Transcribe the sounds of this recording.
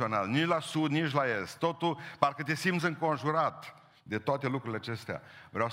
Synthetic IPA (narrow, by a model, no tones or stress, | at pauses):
ona̰lnit͡ʃlasud̪nit͡ʃlaest̪ːo̞t̪ulparkət̪esimt̪sɨŋko̞nʒuɾat̪ | d̪e̞t̪oat̪e̞lukɾuileat͡ʃe̞st̪ea̰vɾeaw